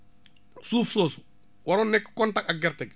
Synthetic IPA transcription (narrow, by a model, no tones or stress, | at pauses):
suːfsoːsu̥ | wɐɾɔnːɛkːkɔntakaɡɛɾtɛk